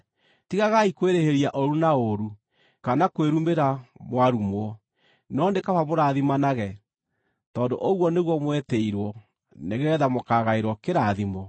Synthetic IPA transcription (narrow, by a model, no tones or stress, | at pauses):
tiɣaɣaikweɾeheɾiaʔoɾunaoɾu | kanakweɾumbeɾamwaɾumwɔ | nɔndekaβaβoɾaðimanaɣɛ | tɔːndoʔoɣwɔneɣwɔmwɛtɛiɾwɔ | neɣɛðamokaɣaeɾwɔkeɾaðimɔ